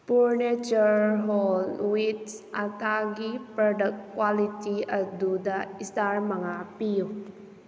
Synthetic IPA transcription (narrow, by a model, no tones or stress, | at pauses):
fuɹnit͡ʃəɹɦɔlwit̪sʔat̪aɡipədəkːwalit̪iəd̪ud̪aist̪arməŋapil